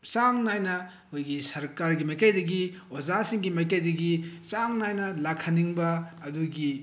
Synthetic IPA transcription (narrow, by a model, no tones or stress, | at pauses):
saŋnajnɐ | hojɡisɐɾkaɾɡimɐjkajdɐɡiozasiŋɡimɐjkajdɐɡisaŋnajnɐlakʰɐniŋbɐːduɡi